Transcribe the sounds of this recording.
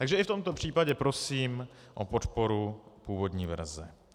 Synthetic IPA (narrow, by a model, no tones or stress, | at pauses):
t̪aɡʒɛʔɪft̪o̞mt̪o̞pr̝̥iːpaɟɛpɾo̞siːmʔopo̞t̪po̞ɾupuːvo̞dɲiːvɛ̰ɾzɛ